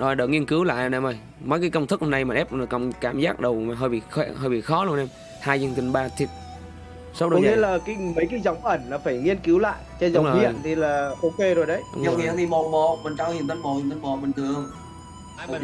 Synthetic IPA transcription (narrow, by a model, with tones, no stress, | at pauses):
ɗɔː˧˩ɗəː˨˩ŋi˧ənkɨ˨˦wla̰ː˧˨jʔnʔɛ˧˩mʔə˧˩j | məː˨˦jkaː˨˦jkə˧wŋ͡mt̪ʰɨ˦˥k̚ho˨˧˩na˧jmaː˨˩ʔɛ˦˥p̚ːkə˧˨˩wŋ͡mkaː˧˩mzaː˦˥k̚ɗə˨˩wmaː˨˩ɦəː˧˩jɓḭ˧˨˩xɛ˧˩həː˧˩jɓḭ˧˨˩xɔ˨˦lu˧ənʔɛ˧m | haː˧jzə˧ənt̪ï˨˩ŋ̟ɓaː˧t̪ʰi˨˩t̚ | sɔ˨˦wɗəɔ˧˦ŋi˧˦ə˦laː˨˩kaː˨˦jmə˨˦jkaː˨˦jzɔ˨˦wŋ͡mʔə˧˩ŋ̟lɔ˨˦faː˧˩jŋi˧ənki˨˦wla̰ː˧˨jʔt͡ɕɔ˧zə˨wi˨˦ə˨t̪ʰi˨˩laː˨˩ʔo˧ke˧zo˨˩jɗə˨˦jɲə˨˧whḭ˧˨əŋt̪ʰi˨˩mɔ˨˩mɔ˧˨mï˨˩ŋ̟t͡ɕaː˧˦ɲi˨nt̪a˨˦ŋ̟mɔ˨ɲi˨t̪ʰa˨˦ŋ̟mɔ˧˨mï˨˩ŋt̪ʰɨ˨˩əŋ˧˨